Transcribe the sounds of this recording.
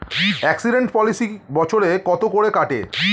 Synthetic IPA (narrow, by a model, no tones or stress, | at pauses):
ɛksiɖeɳʈpɔlisibɔt͡ɕʰoɾekɔt̪okoɽekaʈḛ